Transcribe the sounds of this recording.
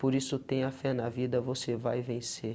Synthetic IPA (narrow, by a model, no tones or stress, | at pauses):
poɾisʊt̪ẽj̃ɐfɛnɐvid̪ɐvosevajvẽse